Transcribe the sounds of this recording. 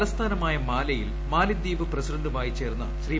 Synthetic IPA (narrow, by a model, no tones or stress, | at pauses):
lɐst̪ʰaːnɐmaːjɐmaːlɐjil | maːlɐd̪ːiːʋɨprɐsidɐɳɖumaːjit͡ɕe̞ːrnːɐɕriː